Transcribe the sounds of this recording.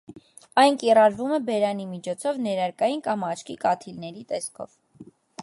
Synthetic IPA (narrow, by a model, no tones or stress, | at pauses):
ɑjnkirɑɾvumɛbɛɾɑnimit͡ʃʰɔt͡sʰɔvnɛɾɑɾkɑjinkɑmɑt͡ʃʰkikɑt̪ʰilnɛɾit̪ɛskʰɔ̰v